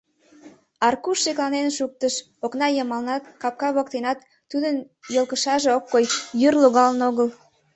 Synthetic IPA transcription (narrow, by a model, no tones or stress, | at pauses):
ɑrkuʃːeklɑnenʃuk̚t̪əʃ | oknɑjəmɑlnɑt̪kɑp̚kɑβokt̪enɑt̪ːud̪ən | jəlkəʃɑʒeokːojjyrloɣɑlənoɣəl